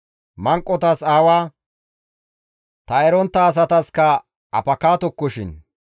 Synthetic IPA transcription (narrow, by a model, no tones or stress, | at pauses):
mɐŋkʼːɔt̪ɐsaːwaː | t̪ɐɛɾɔnt̪ːɐːs̬ɐt̪ɐskɐ | ɐ̰pɐkaːt̪ɔkːɔʃɪn